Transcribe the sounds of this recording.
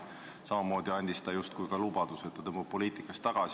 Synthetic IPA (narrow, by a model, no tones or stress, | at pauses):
sɑmɑmo̞ːd̪̥iɑnʲd̪ist̪ɑjust̪̚kujkɑlub̥ɑd̪̥use̞t̪ːɑt̪ɤmːop̚po̞liːt̪ˑikːˑɑst̪ːˑɑɡ̥ɑs